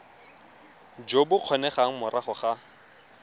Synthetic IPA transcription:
d͡ʒobʊq͡χʰɔnɛχaŋ̩mʊɾʔaχʊχa

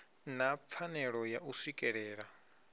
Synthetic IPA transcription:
nap̪fʰanɛɺɔjaʔusikʼɛɺɛːɺa

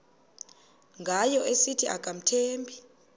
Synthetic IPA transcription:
ŋɡʱajɔʔesitʰiʔaɡ̥ʱʼam̩tʰeːmbʱi

